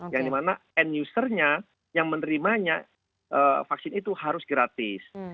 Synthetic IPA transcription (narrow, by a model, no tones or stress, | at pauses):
jaŋdimanaɛnjusərɲa | jaŋmənəɾimaɲa | ʔəfaksɪnit̪uhaɾʊsɡɾat̪ɪs